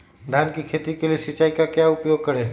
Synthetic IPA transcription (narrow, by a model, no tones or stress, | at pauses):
d̪ʱaːnkikʰeːt̪ikeliesɪt͡ʃaːikakjaʊpjoːɡ̚kəɾeː